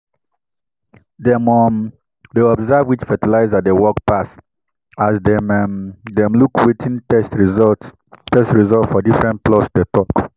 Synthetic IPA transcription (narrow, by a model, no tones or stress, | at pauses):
dɛmɔm | deɔbzavwit͡ʃfɛtilaɪzadewɔkpas | asdɛmɛmdɛ̃mlukwetʰĩnɛszɔt | tɛstɹizɔltfɔdifɹɛ̃ntplɔsdetɔk